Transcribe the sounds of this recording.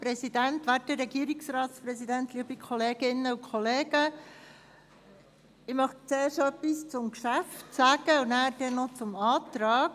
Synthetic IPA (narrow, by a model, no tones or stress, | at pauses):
pɾɛzid̥̪ænt̪ʋætəɾɛɡiːɾiksrɑːt̪spɾɛzidænt̪liːəbikʰɔleːɡ̥ɪnːəukʰχɔleːɡə | ɪmɑχt͡seːɾʃœpːist͡sʊmkʃæftt͡sæɡ̥əunæːɾd̥ɛnɔt͡sʊmɑːt̪ɾɑːk